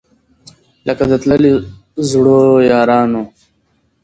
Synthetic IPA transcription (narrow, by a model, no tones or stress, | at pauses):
lʔɐkad̪ət̪ləli | zɽoːjɑːɾɑːno